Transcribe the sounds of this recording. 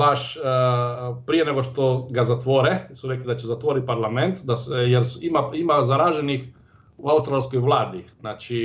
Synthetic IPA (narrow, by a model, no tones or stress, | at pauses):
baʃ | pɾijeneɡoʃt̪oɡazat̪ʋoɾɛsuɾeklid̪at͡ɕezat̪ʋoɾit̪̚paɾlˠament̪d̪asjeɾsimaimazaɾaʒenix | uaust̪ɾalˠskojʋlˠaːd̪inaːt͡ʃi